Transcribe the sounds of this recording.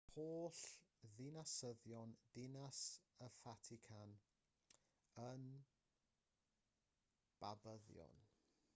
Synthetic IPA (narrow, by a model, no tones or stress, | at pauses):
hoːɬðɪnasəðjɔnd̥ɪnasəfatʰɪkʰan | ən | b̥abəðjɔ̰n